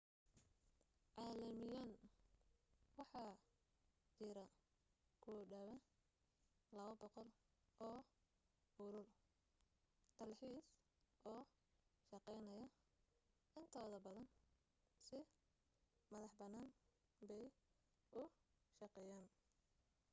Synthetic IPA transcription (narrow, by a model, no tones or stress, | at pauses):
ʕɑːlɐmɪjan | wɑħɑː | t͡ʃɪɾɐ | kʰʊːɖɐβɐ | lɐβɐbɔqɔlɔː | ʊɾʊl | t̪ʰɐlħiːs | ʔɔː | ʃɑqɛjnɐjɐ | ɪnt̪ʰɔːðɐbɐðɐn | sɪ | mɐðɑħbɐnːaːn | bɛj | ʊ | ʃɑqɛjaːn